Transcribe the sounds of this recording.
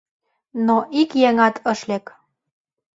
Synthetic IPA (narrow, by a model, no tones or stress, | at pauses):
noʔikjeŋɑt̪ʰɤə̆ʃlek